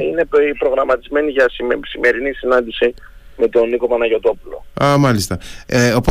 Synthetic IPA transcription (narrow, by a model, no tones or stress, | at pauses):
ine̞pɾo̞ɣɾɐmɐt̪izme̞niʝɐsisime̞ɾinisinɐnd̪isi | me̞t̪o̞niko̞pɐnɐʝo̞t̪o̞pulo̞̰ɐmɐlist̪ɐopo